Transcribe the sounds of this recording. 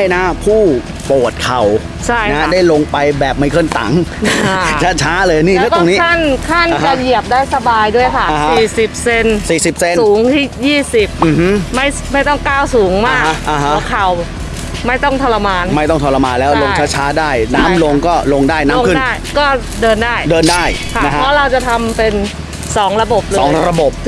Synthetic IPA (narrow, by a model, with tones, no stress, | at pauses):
jna˦˥pʰuː˥˩ | poː˨˩t̪̚kʰa˨˩w | t͡ɕʰa˥˩jna˦˥daː˥˩jlo˧ŋpa˧jbɛː˨˩p̚ma˥˩jkʰɤ˥˩nt̪a̰˩˦ŋa˧˩t͡ɕʰa˦˥t͡ɕʰaː˦˥lɤː˧jniː˥˩lɛ˦˥t̪o˧ŋniː˦˥a˥˩nkʰa˥˩na˧t͡ɕa˨˩ji˨˩əp̚daː˥˩jsa˧baː˧jdu˥˩əjkʰa˥˩a˨˧a˦siː˨˩si˨˩p̚se˧nsiː˨˩si˨˩p̚se˧nsuː˩˦ŋt̪ʰiː˥˩jiː˥˩si˨˩p̚ʔm˨˩hma˥˩j | ma˥˩jt̪ɔ˥˩ŋkaː˥˩wsuː˩˦ŋmaː˥˩ka˦˥ʔa˧˩ɦa˦˥˩kʰa˨˩w | ma˥˩jt̪ɔ˥˩ŋt̪ʰɔː˧la˧maː˧nma˥˩jt̪ɔ˥˩ŋt̪ʰɔ˧la˧maː˧nlɛː˦˥lo˧ŋt͡ɕʰaː˦˥t͡ɕʰaː˦˥daː˥˩jnaː˦˥mlo˧ŋkɔː˥˩lo˧ŋdaː˥˩jnaː˦˧ŋkʰɯ˥dnaː˥˩jkɔː˥˩ | dɤː˧ndaː˥˩jdɤː˧ndaː˥˩jkʰa˦˥na˦˥kʰa˦pʰɔː˦˥ɾa˧wt͡ɕa˨˩t̪ʰa˧mpe˧n | sɔː˩˦ŋɾa˧bo˨˩p̚lɤːɔː˧˩˧ŋɾa˧bo˨˩p̚